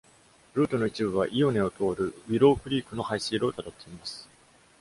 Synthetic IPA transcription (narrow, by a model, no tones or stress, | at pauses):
ɾɯ̟ːt̪o̞no̞it͡ɕibɯ̟β̞aʔijo̞ne̞o̞t̪o̞ːɾɯ̟βiɾo̞ːkɯ̟ɾʲiːkɯ̟no̞haiɕiːɾo̞ːt̪at̪ot̪ʰːe̞imasɨ̥